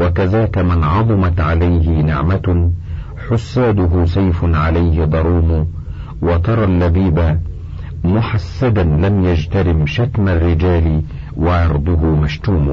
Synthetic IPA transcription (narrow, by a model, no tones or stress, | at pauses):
wakaðaːkamɪnʕɑðˤʊmat̪ʕalajɦɪnɪʕma | ħʊsːaːd̪ʊɦʊs̬ˤajfʊnʕalajhɪd̪ˤɑɾˤuːmʊ | wɑt̪ɑɾˤɑlːabiːba | mʊħasːad̪anlamjad͡ʒt̪aɾɪmʃat̪marːɪd͡ʒaːlɪ | wɑʕɑɾˤd̪ˤʊɦʊmaʃt̪uːmʊ